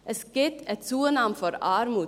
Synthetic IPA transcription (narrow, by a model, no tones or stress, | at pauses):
ʔəskɪt̪ɛt̪suːənɑmfɔɾɑːɾmu